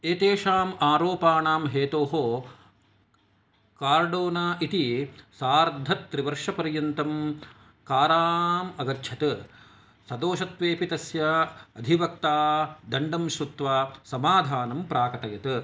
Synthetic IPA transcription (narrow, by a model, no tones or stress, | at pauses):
eːt̪eːʃaːmaːɾoːpaːnaːmɦeːt̪oːɦo | kaːɾɖoːnaːʔit̪isaːɾd̪ʱːɐt̪ːɾiʋɐɾʃɐpɐɾjɐnt̪ɐm | kaːɾaːmɐɡɐɾt͡ʃʰɐt̪ɨ | sɐd̪oːʃɐt̪ʋeːpit̪ɐsjɐɐd̪ʱiʋɐkt̪aːd̪ɐɳɖɐmʃɾut̪ʋaːsɐmaːd̪ʱaːnɐmpɾaːkɐʈɐjɐt̪ɨ